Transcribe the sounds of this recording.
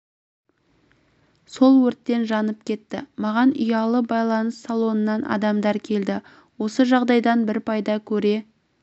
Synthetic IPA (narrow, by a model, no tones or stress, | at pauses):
so̞lˠwɵɾt̪ːe̞nʒɑnəpkʲʰe̞t̪ːɪ̰mɑʁɑnʏjɑlˠəbɑjlˠɑnəsːɑlˠo̞nənːɑnʔɑ̰d̪ɑmd̪ɑɾkʲʰe̞ld̪ɪ | wo̞səʒɑʁd̪ɑjd̪ɑnbɪɾpʰɑjd̪ɑkʲʰɵɾe̞